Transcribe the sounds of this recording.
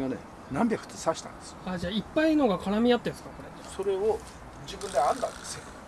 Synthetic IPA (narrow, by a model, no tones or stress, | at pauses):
anḛ | nãmbʲjakɯ̟̥t̪esaɕi̥t̪ã̰nd̪̥esɨ̥ad͡ʑaːipːaiːnoɡakʰaɾamʲijat̪ːensɨ̥kako̞ɾet̪so̞ɾe̞o | d͡ʑibɯ̃nd̪eãnd̪ã̰nd̪esɨo